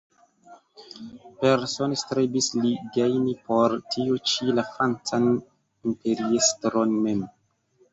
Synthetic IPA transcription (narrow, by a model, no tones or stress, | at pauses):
peɾso̞nestɾebisliɡejnipo̞ɾtʰiot͡ʃilafant͡san | impe̞ɾiestɾo̞nme̞m